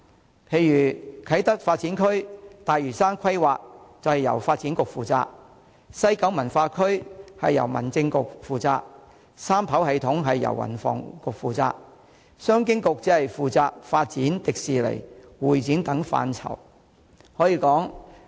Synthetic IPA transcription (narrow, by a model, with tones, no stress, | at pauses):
pʰe˨˧jɥyː˨˩kʰɐ˨˥jt̪ɐ˥k̚faː˧t̚t͡siː˨˥nkʰɵ˥ɥt̪aː˨jɥyː˨˩saː˥nkʰɐ˥jwaː˨k̚t͡sɐ˨whɐ˨˩jɐ̰˨˩wfaː˧t̚t͡siː˨˥nkʊ˨k̚fuː˨t͡sa̰ː˧k̚ | sɐ˥jkɐ˨˥wmɐ˨˩nfaː˧kʰɵ˥ɥhɐ̰˨jːɐ̰˨˩wmɐ̰˨˩nt͡sɪ˧ŋkʊ˨k̚fuː˨t͡sa̰ː˧k̚ | saː˥mpʰɐ˨˥whɐ˨jt̪ʰʊ˨˥ŋɦɐ˨jːɐ̰˨˩wːɐ̰˨˩nfɔ̰ː˨ŋkʊ˨k̚fuː˨t͡sa̰ː˧k̚ | sœː˥ŋk̬ɪ˥ŋkʊ˨k̚t͡siː˨˥hɐ˨jfuː˨t͡saː˧k̚faː˧t̚t͡siː˨˥nt̪ɪ˨k̚siː˨lḛ˨˩jwuː˨˩jt͡siː˨˥nt̪ɐ˨˥ŋfa̰ː˧nt͡sʰɐ̰˨˩w | hɔː˨˥jiː˧kɔː˨˥ŋ